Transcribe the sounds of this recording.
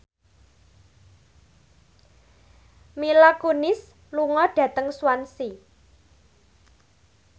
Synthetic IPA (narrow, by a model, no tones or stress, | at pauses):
milakonɪs | luŋɔɖ̥ä̤t̪əŋswansi